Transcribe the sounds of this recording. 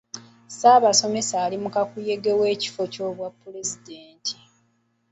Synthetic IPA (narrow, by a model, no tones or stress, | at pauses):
saːβaso̞me̞saːlimukakuje̞ɡewe̞ːci̥fo̞co̞ːβwapːule̞zideːntʰi̥